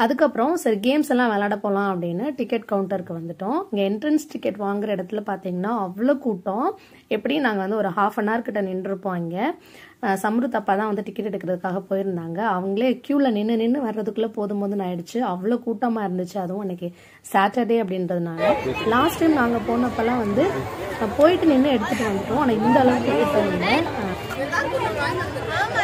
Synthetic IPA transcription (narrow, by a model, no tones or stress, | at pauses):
ɐðɯkːɐpːɯɾɔ̃sɐɾiɡeːmsɛlːãːʋeːlaːɽɐpoːlãːɐpːɐɽɪnːɯʈɪkːɛʈkɐʋʊɳʈɐɾkːɯʋɐnd̪ɯʈːõːɪŋɡɐɪɳʈɾɐnsʈɪkːɛʈːʋaːŋɡɪɾɐɪɽɐt̪ːɪlpaːɾt̪iːŋɡɐnːaːɐʋːɭoːkuːʈːõː | ɛpːɐɽijnaːŋɡɐʋɐnd̪ɯɔɾɯhaːfɐnaːɾkɪʈːɐnɪɳːɪɾɯpːõːɪŋɡɐ | sɐmɾɯt̪ːɐpːaːt̪ãːʋɐnd̪ɯʈɪkːɛʈːɛɽɯkːɪɾɐðɯkːaːɣɐpoːjɪɾɯnd̪aːŋɡɐɐʋɐŋɡɐɭeːkjuːlɐnɪnːɯnɪnːɯʋɐɾɾɐðɯkːɯlːɐpoːðɯmboːðɯ̃nãːɛɽɯt͡ʃːɯɐʋːɐɭoːkuːʈːɐmaːɪɾɯnd̪ɯt͡ʃːɯɐðɯʊ̃ɛnːɐkːɯ | saːʈːɐɖeːɐpːɐɽɪnɾɐðɯnaːlɐlaːsʈɐɪmnaːŋɡɐpoːnɐpːɐlãːʋɐnd̪ɯpoːjɪʈːɯnɪnːɯɛɽɯt̪ːɯʈːɯʋɐnd̪ɯʈːʊ̃ɐnãːɪnd̪ɐːlɐʋɯk̪ːɪkːɪʈːɐɪɡɐ